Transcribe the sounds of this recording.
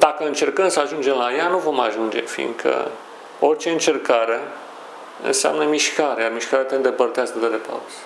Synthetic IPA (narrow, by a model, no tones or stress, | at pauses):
d̪akəɨnt͡ʃe̞rkəmsəaʒund͡ʒe̞mlajanuvo̞maʒund͡ʒe̞̰fḭnd̪kʰə̰ | o̞rt͡ʃe̞ɨnt͡ʃe̞rkaɾe̞ | ɨ̰nsea̰mnəmiʃkaɾeamiʃkaɾeat̪eɨnd̪e̞pərt̪easkəd̪eɾepa̰wz